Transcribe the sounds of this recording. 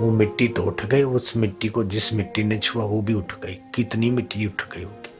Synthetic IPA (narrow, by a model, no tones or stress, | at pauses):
ʋomɪʈːit̪oʊʈʰɡɐiʊsmɪʈːikod͡ʒɪsmɪʈːinet͡ʃʰuaʋobʱiʊʈʰɡɐikɪt̪nimɪʈːiʊʈʰɡɐiʊki̥